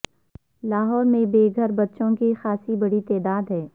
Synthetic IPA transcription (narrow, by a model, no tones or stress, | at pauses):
laːɦɔːɾmẽbeːɡʱəɾbɐt̪ːʃõkixaːsibɐɽit̪ɛːd̪aːd̪ɦɛː